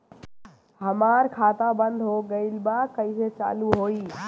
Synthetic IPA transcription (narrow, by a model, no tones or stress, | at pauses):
ɦəmaɾkʰat̪abənd̪ʱɦoɡəɪlbakəɪset͡ʃa̰luɦoi